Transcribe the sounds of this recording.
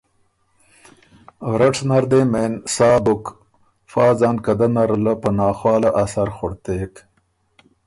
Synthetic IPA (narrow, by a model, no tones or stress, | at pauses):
ɣɾaʈnaɾd̪eːmensɑːbʊk | fɑːzɑːnkad̪anaɾlapənɑːxwɑːlaʔasaɾxʊɽt̪eːk